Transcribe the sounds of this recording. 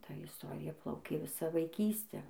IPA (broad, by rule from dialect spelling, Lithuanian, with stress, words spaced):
ˈtɐ ɪsˈtoːrʲɪjɛ ˈplˠɐʊkʲeː ˈʋʲɪsɑː ʋɐɪˈkʲiːsʲtʲæː